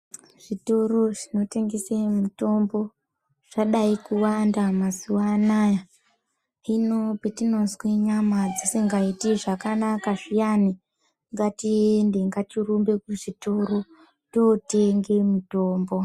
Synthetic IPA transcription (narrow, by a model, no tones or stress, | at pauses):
ʐ̥itoro̞ʐino̞te̞ŋɡesemuto̞mbo̞ | ʐ̥aɗaikuwandamazuwanaja | inopetino̞nzweɲamad͡zisiŋɡaitiʐakanakaʐijani | ŋɡatiendeŋɡatirumbe̞kuʐitoro | toteŋɡe̞muto̞ːmbo̞